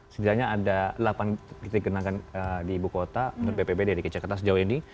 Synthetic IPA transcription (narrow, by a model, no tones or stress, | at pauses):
sədilaɲaːdalapankit̪aiɡənakanədiːbukot̪amənʊt̪̚bebebedaɾikət͡ʃakat̪as̬əd͡ʒawini